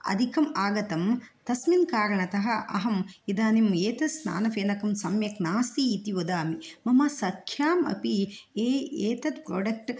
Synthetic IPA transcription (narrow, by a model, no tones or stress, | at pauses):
ɐ̰d̪ʱikɐmaːɡɐt̪ɐmt̪ɐsminkaːɾɐɳɐt̪ɐɦɐʔɐ̰ɦɐmid̪aːnimeːt̪ɐsna̰ːnɐfeːnɐkɐmsɐmjɐknaːst̪iːt̪iʋod̪aːmimɐmɐsɐkʰjaːmɐ̰pieːeːt̪ɐt̪pɾoːɖɐk̚ʈ